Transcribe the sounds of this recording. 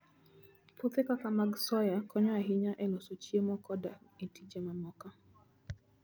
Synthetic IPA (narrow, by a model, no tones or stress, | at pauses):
pot̪ekakamaɡsɔjakɔɲɔaɦiɲaʔɛlosot͡ʃjemɔkɔdaetʰid͡ʒamamɔka